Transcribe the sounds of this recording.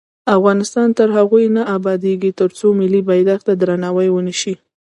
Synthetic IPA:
afɣɑnɪst̪ɑnt̪əɾɦaɣujnaʔabɑd̪eɡit̪əɾt͡somɪlibajd̪axt̪ad̪ɾanɑwajwəniʃi

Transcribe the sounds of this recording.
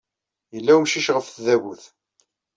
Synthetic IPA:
jəlːæwmʃiʃʁəfθðæɣuθ

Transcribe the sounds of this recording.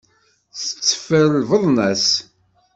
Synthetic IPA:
θə̥t͡sːə̥fəɾəlvəðˤnæs

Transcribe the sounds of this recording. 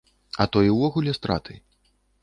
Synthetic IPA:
ɐt̪ɔjiwvɔɣulʲɛst̪ɾa̰t̪ʰɨ

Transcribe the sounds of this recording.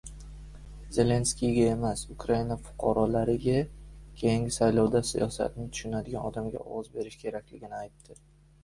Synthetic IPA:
z̥e̞le̞nskʲijɡʲaemasʊkʰɾainafʊ̥qʰɒɾɒlaɾɪɡʲakʲʰe̞jɪŋʲɪsajlɒwd̪asḭjɒ̰sa̰t̪ʰɪnɪt̪ʰʊ̥ʃʊnad̪ɪɡʲanɒd̪amɡʲa̰ɒ̰wɒzbe̞ɾɪʃkʲʰe̞ɾakʲlɪɡʲɪnɪajt̪ːɪ

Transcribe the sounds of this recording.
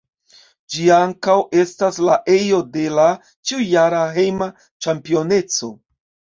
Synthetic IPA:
d͡ʒiaŋkawe̞staslaʔe̞jo̞de̞la | t͡ʃiujaɾaɦe̞jma | t͡ʃampio̞ne̞t͡so̞

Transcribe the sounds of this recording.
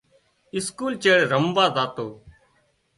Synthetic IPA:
ɪskuːlt͡ʃeːɽɾəmbaːzaːt̪oː

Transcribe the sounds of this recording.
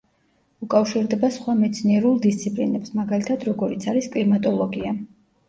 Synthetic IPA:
ukʼafʃiɾd̪ɛbasχwamɛt̪sʰniɛɾulˠd̪ist̪sʰipʼlinɛpsmaɡalit̪ʰad̪ɾɔɡɔɾit̪sʰaɾiskʼlimat̪ʼɔlˠɔɡia

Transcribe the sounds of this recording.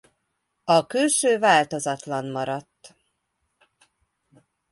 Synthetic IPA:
ɒkylʃøːvaːlt̪o̞zɒt̪lɒnmɒɾɒt̪ː

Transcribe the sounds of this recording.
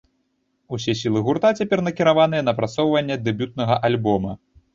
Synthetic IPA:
usʲɛs̬ʲilˠɨɣurt̪at͡sʲapʲɛrnɐkʲiɾavanɨjɛnɐpɾat̪sɔwvɐnʲːɛd̪ɛbʲut̪̚nɐɣɐʔalʲbɔmɐ

